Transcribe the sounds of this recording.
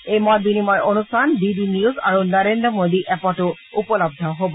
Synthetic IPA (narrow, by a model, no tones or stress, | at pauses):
ejmɔbinimɔɹʔonustʰandidiniuza̰ɹunɔɹendɹɔmod̪iʔɛpɔtʊ | upɔlɔb̚d̪ʱɔɦobɔ